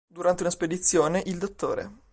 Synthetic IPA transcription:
d̪uɾant̪eunasped̪it̪sːjoːneʔild̪ot̪ːo̰ːɾḛ

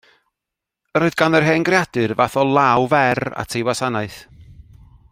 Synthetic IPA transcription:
əɾoːɨðɡanðərɦeːnɡrjad̥ɨrvaθɔlˠawvɛra̰tʰejwasanaɨθ

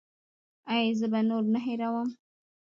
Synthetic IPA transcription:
ajzəbanoɾnaɦeɾawəm

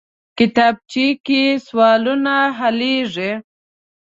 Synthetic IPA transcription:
kɪt̪ɑb̚t͡ʃikiswɑlunaɦaleʐe

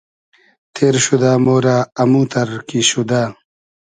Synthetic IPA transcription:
t̪ʰeːɾɕud̪aːmoːɾaːɐmũːt̪ɐɾkiɕud̪aː

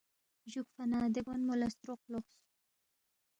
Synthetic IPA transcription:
ʒukfanɑd̪əɡanmolast̪ɾoq̚loχs

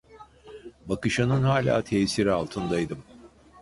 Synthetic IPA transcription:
bakɯʃanɯnɦaːlʲa̰ːt̪ʰejsiɾialˠt̪ʰɯnd̪ajd̪ɯm

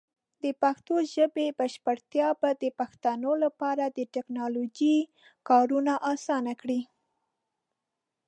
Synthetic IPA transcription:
d̪əpaxt̪oʒəbebaʃpaɽt̪jɑbad̪əpaxt̪ɑnolapɑɾad̪əʈɪknɑlod͡ʒi | kɑɾunaʔɑsɑnakɽi

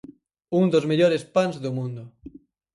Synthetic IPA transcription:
und̪ozmeʎoɾespanzðumũnd̪ʊ

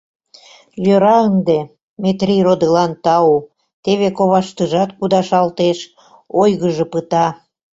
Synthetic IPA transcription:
jøɾɑənd̪e | met̪rirod̪əlɑnt̪ɑu | t̪eβekoβɑʃt̪əʒɑt̪̚kud̪ɑʃɑlt̪eʃ | ojɣəʒɤ̆pət̪ɑ

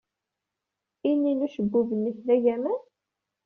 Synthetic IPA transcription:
inːinuʃəɡːuvənːiθðæʝæmən

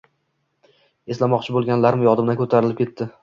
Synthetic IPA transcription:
eslamɒqt͡ʃʰɪbolˠɡʲanlaɾmɪjɒd̪ɪmd̪ankʰɵt̪ʰaɾɪlɪp̚kʰʲe̞t̪ːɪ

